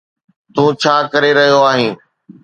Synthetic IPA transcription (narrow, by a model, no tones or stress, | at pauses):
t̪ũːt͡ɕʰaːkɐɾeɾɐɦijoaːɦĩː